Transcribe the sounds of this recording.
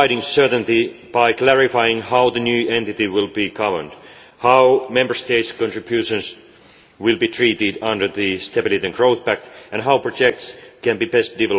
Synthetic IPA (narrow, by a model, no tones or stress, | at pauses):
ɪɾɪ̃ŋsɜ˞tə̃nt̪ib̥aɪklæɹɪfaɪɪ̃ŋhaʊðɨnjʉːɛ̃nt̪ɪt̪iwɪlˠbiɡʌvə̰˞d̥ | haʊmɛ̃mbə˞st̪eɪtskɔ̃ntɹ̥ɨbjʉʃə̃ns | wɪlˠbiːt̪ʰɹiːtɪdʌ̃ndə˞ðɨst̪ɛbɪlˠitiɨ̃nɡɹoʊθpæk̚t̪æ̃nɦawpʰɹ̥od͡ʒɛk̚tskæ̃nbiːbɛst̚d̥ɪvɛl